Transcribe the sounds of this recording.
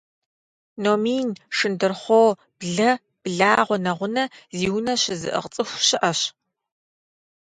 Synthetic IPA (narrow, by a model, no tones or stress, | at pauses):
noːmiːnʂɨndɨrχʷoː | b̥ɮɐ | b̥ɮaːʁʷɔnɐʁʷʊnɐziːwnɐɕɪzɨ̰ʔə̰ʁt͡sʼɨxʷɕɪʔɐɕ